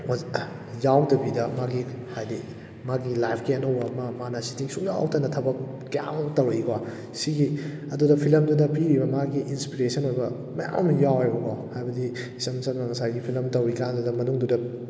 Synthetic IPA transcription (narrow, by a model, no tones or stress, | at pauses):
jawtɐbidɐmaɡihajdi | maɡilajpʰkiɐnɐwbɐmamanɐsi̥tʰiŋsuŋja̰wtɐnɐtʰɐbɐk̚ | kːɐja̰ŋtɐwɾika | siɡiɐdudɐpʰilɐmdudɐpiɾibɐmaɡiʔinspiɾesɐnojbɐ | mɐja̰mjawajbɐkɔhajbɐdi | sɐmsɐtnɐŋɐsajɡipʰilɐmtɐwikandudɐmɐnuŋdudɐ